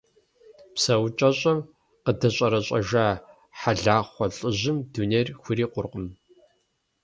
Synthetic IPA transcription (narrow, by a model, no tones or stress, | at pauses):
psɐwt͡ʃʼɐɕʼɐm | qədɐɕʼɐɾɐɕʼɐ̰ʒaː | ħaɮaːχʷɔɬʼɨʑɪmduːneːrxʷʊriːqʷʊrqəm